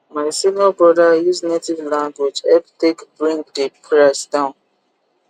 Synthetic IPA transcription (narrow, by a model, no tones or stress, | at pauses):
maɪsinɔbɹɔdajuznetivlãŋɡwed͡ʒɛptekbɹĩŋkdepʰɹasdãʊ̃n